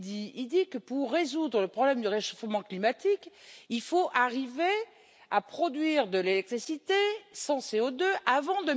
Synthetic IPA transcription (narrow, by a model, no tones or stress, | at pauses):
d̪iild̪ikəpuʁːezud̪ʁələpχɔblɛmd̪yʁeʃofmɑ̃klimat̪ikilfoʔaʁive | apχɔd̪ɥiʁd̪əlelɛk̚t̪χisit̪esɑ̃seod̪øʔavɑ̃d̪ə